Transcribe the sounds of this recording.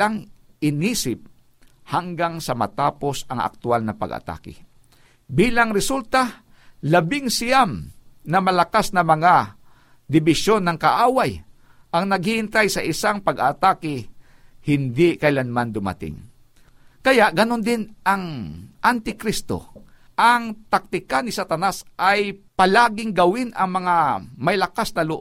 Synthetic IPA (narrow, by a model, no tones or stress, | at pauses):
aŋɪniːsɪp̚ | haŋɡaŋsɐmɐt̪aːpo̞sɐŋʔa̰k̚t̪ʊalnɐpɐ̰ɡʔɐ̰t̪a̰ːkɪ̰ | biːlaŋɾɪsult̪a | lɐbɪŋsɪjamnɐmɐlɐkasnɐmɐŋa | d̪ɪbɪʃjo̞nːɐŋkɐʔaːwaj | ʔɐŋnɐɡ̚hɪhɪnt̪ajsɐʔɪsaŋpɐɡa̰t̪aːkɪ | hɪnd̪ɪkɐɪlanmand̪ʊma̰t̪ɪ̰ŋ | kɐjaʔɡɐno̞nd̪ɪnʔɐŋʔant̪ɪkɾist̪o̰ | ʔɐŋt̪ak̚t̪ɪkanɪsat̪ɐnasʔajpɐlaːɡɪŋɡɐwɪnʔɐŋmɐŋamɐjlɐkasnɐloʔ